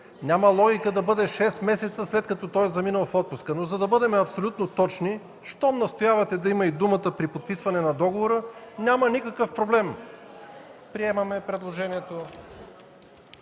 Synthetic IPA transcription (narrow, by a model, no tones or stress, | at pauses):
nʲaməlˠɔɡʲikəd̪ɐbɤd̪ɛʃɛst̪mɛsɛt̪səslɛt̪̚kɐt̪ɔt̪ɔjzɐminəlˠfɔt̪̚pʊskənozɐd̪ɐbɤd̪ɛmɛɐpsolʲut̪not̪ɔt͡ʃni | ʃt̪ɔmnɐst̪ojavɐt̪ɛd̪ɐiməid̪umət̪əpɾipot̪̚pisvɐnɛnɐd̪ɔɡovoɾənʲamənikəkəfpɾoblɛm | pɾiɛmɐmɛpɾɛd̪lˠoʒɛniɛt̪o